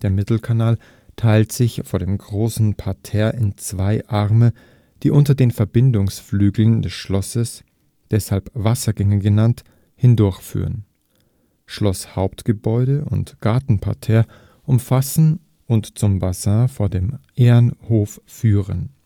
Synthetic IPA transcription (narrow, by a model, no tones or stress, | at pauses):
d̥eːɐmɪtl̩kʰanaːl | tʰaɪltz̥ɪçfoːɐdeːmɡʁoːsn̩pʰaɐtʰɛːɐʔɪnt͡sv̥aɪʔaʁmə | d̥iːʔʊntɐdeːnfɛɐbɪndʊŋsflyːɡl̩ndɛsʃlɔsəs | d̥ɛshalpv̥asɐɡɛŋəɡənant | hɪndʊɐçfy̰ːʁən | ʃlɔshaʊptɡ̥əbɔʏɾəʊ̰ntɡ̥aɐtn̩pʰa̰ɐtʰɛːɐ | ʔʊmfasn̩ | ʔʊntt͡sʊmbazãːfoːɐdeːmʔeːɐnhoːfːyːʁən